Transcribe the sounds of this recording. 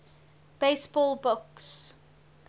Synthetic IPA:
b̥esbɔlˠbʊks

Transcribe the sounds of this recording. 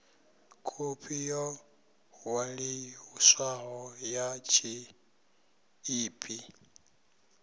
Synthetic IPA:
kʰupʰijɔ | waɺiuswaɦɔjat͡ʃʰi | iːpʰʼi

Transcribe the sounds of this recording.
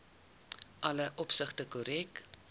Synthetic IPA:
ʔɐləʔɔpsəχtəkoɾɛk

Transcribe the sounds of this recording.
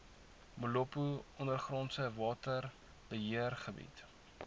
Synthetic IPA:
molɔpuɔnərχrɔntsəvɑːtər | bəɦiərχəbḭt

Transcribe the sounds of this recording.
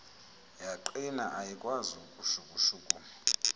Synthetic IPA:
jaǃinaʔajikʼwazukʼuʃukʼuʃuːkʼu

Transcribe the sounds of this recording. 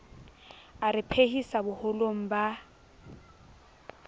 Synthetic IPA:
aɾɪpʰehisabʊhʊloŋ̩ba

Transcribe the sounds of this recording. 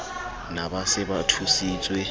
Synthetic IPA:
nabasɪbatʰusiːt͡sʼwɛ

